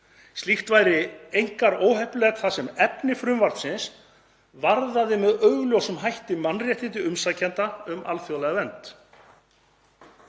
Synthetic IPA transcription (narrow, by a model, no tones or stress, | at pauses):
st̪lixt̪vajɾɪejŋ̥kaɾoːwɦɛhplɛːɣt̪θasɛmɛpnɪfɾʏmvaɾt̪sɪns | vaɾðaðɪmɛðœɥɣljowsʏmɦajht̪ɪmanːrjɛht̪ɪnt̪̬ɪʏmsacʰɛnt̪aʏma̰lθjowlaɣavɛnt̪